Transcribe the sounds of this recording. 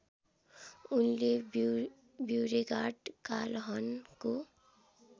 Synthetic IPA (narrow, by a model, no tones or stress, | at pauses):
unleb | bjuɾeɡaɖkalɦʌnko